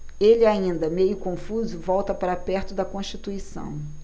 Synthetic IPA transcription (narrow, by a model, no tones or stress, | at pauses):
elɪaĩnd̪ɐmejʊkõfuzʊvɔwt̪ɐpaɾapɛɾt̪ʊd̪ɐkõʃt͡ʃit̪uisɐ̰̃w̃